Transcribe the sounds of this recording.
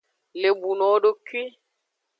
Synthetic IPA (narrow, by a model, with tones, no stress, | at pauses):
le˨bu˨nɔ˨˦ɖo˦kwi˦